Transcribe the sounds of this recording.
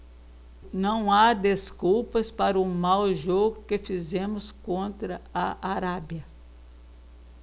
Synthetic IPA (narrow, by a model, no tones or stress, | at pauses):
nɐ̃w̃ad̪eskuwpɐspaɾɐʊmawʒoɡʊkefizẽmʊskõnt̪ɾɐɐʔaɾabjɐ